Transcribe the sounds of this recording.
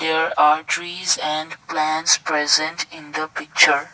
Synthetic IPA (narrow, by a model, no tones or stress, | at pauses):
d̪eɾaːɾʈɾiːzɛ̃ɳɖplæ̃nspɾɛzɛ̃ɳʈɪ̃nd̪əpɪk̚t͡ʃəɾ